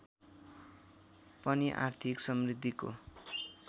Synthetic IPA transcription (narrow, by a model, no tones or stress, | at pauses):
pʌniʔa̰rt̪ʰiksʌmrid̪ʱːiko̰